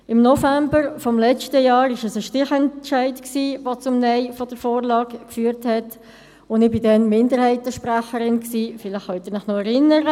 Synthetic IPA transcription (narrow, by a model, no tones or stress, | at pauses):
ɪmnɔfæmbəɾfɔmlɛt͡ʃtəjɑːɾɪʃəsəʃtɪχɛnt͡ʃæɪtksiːʋot͡sʊmnɛɪfɔd̥əɾfoːɾlɑːkkfyːəɾthɛt | ʊndɪbɪdɛnmɪndəɾhɛɪtəʃpɾæχəɾɪnksiːfɪlɪχχœt̪ɪɾnɪχnɔɛɾɪnːəɾə